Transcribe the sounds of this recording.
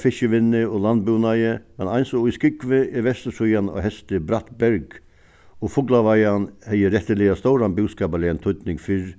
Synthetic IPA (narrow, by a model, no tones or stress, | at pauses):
fɪʃəʋɪnːɪɔland̪buːnajəmɛnajnsɔiskɪkʋɪʔɪɾʋɛst̪əsujanɔ̰hɛst̪ɪbɾat̪bɛɾɡ | ɔfʊklaʋajanhɛjəɾɛt̪ːəlɪast̪ɔwɾanbʏwskaːbalɪɛnt̪ʰʊt̪nɪŋfɪɾ